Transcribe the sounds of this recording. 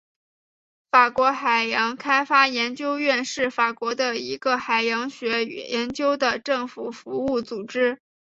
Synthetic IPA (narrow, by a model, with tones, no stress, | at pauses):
fa˨˩kwɔ˧˥xa˨˩ɪjɑ˧˥ŋkʰa˥ɪfa˥jɛ˧˥nt͡ɕjo˥ʊɥɛ˥˧nʂɻ̩˥˩fa˨˩kwɔ˧˥d̪ə˧i˧˥ɡə˧xa˨˩ɪjɑ˧˥ŋɕɥɛ˧˥y̰˨˩jɛ˧˥nt͡ɕjo˥ʊd̪ə˨ʈ͡ʂɤ˥˩ŋfu˨˩fu˧˥u˥˩t͡su˨˩ʈ͡ʂɻ̩˥